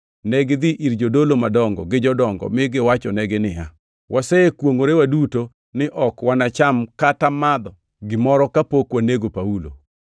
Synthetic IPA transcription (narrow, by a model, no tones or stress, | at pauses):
nɛɡɪd̪ɪʔiɾd͡ʒodolomadɔŋɡɔ̰ɡɪd͡ʒɔdɔŋɡɔ̰mɪɡɪwat͡ʃɔnɛɡɪnɪja | wʔasɛekwoŋoɾewaduto | nɪʔɔkwanat͡ʃamkatamad̪ɔ | ɡɪmɔɾɔkapokwaneɡopaulo̰